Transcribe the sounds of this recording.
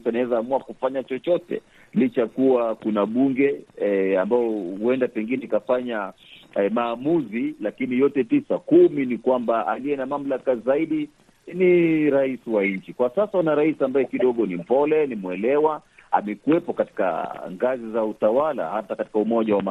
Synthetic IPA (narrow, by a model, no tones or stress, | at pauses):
sanawɛzaːmuakufaɲat͡ʃɔt͡ʃɔtɛ̰ | lit͡ʃakuwakunaɓuŋɡɛambaɔuɛndapɛŋɡinɛikafaɲa | maːmuzilakinijɔtɛpisakuminikwambaaliɛnamam̩lakazaiɗi | niɾaisiwaɲ̩t͡ʃikwasasaunaɾaisiambajɛkiɗɔɠɔnim̩pɔlɛnimwɛlɛwaa̰mɛkuwɛpɔkati̥ka̰ŋɡazizautawala̰hatakati̥kaumɔʄawama